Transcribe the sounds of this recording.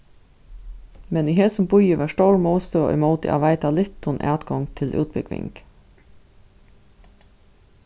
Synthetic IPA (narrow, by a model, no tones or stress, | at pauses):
mɛniɦɛːsʊmbʊjəʋɑːʂtoːɹmoʊst̪øːʔʏ̰moːt̪ə̰ʔa̰ʋæɪt̪alɪt̪ːʊnʔɑ̰ːt̪ɡɔŋt̪ʰɪlʔʉ̰ːt̪̚bɪkʋɪ̰ŋk